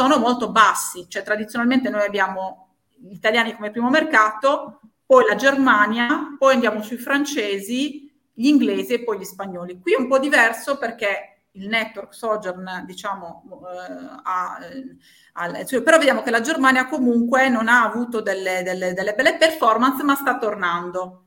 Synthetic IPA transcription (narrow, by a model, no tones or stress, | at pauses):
soːnomolt̪obasːit͡ʃoɛt̪ɾad̪it̪sjonalment̪̬enojabːjaːmo | ʎit̪aljaːnikomepɾiːmomerkaːt̪o | pɔjlad͡ʒermanjapɔjand̪jaːmosuifɾant͡ʃeːzi | ʎiŋɡleːziepːɔjʎispaɲːɔːlikwiɛumpɔd̪ivɛrsoperk̟e | ilnɛt̪ːwɔrksɔd͡ʒɛrnd̪it͡ʃaːmo | a | asupeɾɔved̪jaːmokelad͡ʒermaːnjakomuŋkwenonaːvuːt̪od̪elːed̪elːed̪elːebɛlːeperfɔrmansmast̪at̪ːornand̪o